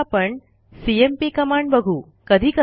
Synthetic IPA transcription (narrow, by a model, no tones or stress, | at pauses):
apəɳ | siempikəmaɳɖbəɡʱuː | kəd̪ʱiːkə